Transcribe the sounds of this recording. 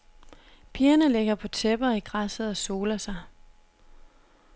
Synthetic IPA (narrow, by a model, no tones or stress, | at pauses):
pʰiːɐnəleɡ̥ɐpʰɒ̽t͡sʰeb̥ɐiɡ̥ʁasð̩ˠɒ̽so̝ːlɐsɑ̈ɪ